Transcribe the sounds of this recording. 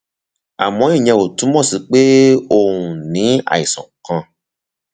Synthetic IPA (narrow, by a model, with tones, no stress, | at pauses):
a̰˨mɔ̃˧˦i˦˨ɲɛ̃˧o˨tũ˨˦mɔ̃˦˨si˨˦k͡pe˦o˧˨ũ˨nĩ˨˦a̰˦˨i˨sɔ̰̃˨kã˧